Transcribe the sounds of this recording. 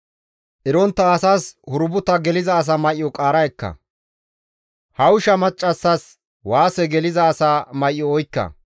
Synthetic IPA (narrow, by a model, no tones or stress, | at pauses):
ʔɪɾɔnt̪ːɐːsaːshʊɾʊbʊt̪ɐɡɛlɪzɐːs̬aːmɐjɪɔkʼaːɾɐjɛkːɐ̰ | hɐʊʃɐmɐt͡ʃʼːɐsːɐs | waːsɛɡɛlɪzɐːsaːmɐjʔːɔɔjkːɐ̰